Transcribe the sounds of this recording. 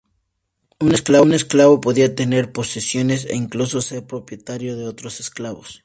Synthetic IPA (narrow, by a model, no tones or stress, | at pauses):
une̞sklaβune̞sklaβo̞po̞ðiat̪e̞ne̞ɾpo̞sisjo̞ne̞sḛiŋkluso̞se̞ɾpɾo̞pje̞t̪aɾjo̞ð̞e̞o̞t̪ɾo̞sesklaβos